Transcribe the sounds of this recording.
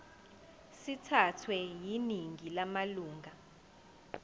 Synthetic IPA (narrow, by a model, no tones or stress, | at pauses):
sitʰatʰwɛjiniŋʱilamaluːŋʱa